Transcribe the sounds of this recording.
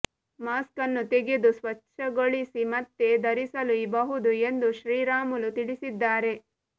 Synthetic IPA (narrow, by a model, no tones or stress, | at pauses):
maːskɐnːut̪eɡid̪usʋɐt͡ʃːʃʰɐɡoɭisimɐt̪ːed̪ɐɾisɐluibɐɦud̪ue̞nd̪uʃɾiːɾaːmulut̪iɭisid̪ːaːɾe̞